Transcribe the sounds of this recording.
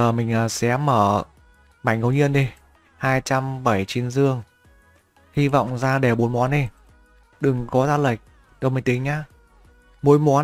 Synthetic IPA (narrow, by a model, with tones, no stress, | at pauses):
əː˨˩mï˨˩ŋ̟ʔəː˨˩sɛ̰˧˥məː˧˩ | ma˧˩ŋŋɣə˨˦wɲi˧ənɗi˧ | haː˧jt͡ɕa˧mɓa˧˩jt͡ɕi˨˦ənzɨ˧əŋ | hi˧va̰˧˨wŋ͡mzaː˧ɗe˧˩ɓo˨˦nmwɔ˨˦nɗi˧˩ | ɗɨ˨˩ŋkɔ˨˦zaː˧lə˨˩jk̟̚ | ɗə˧˦wmə˨˩jt̪ï˨˦ŋ̟aː˧˦ | mo˨˦jmwɔ˨˦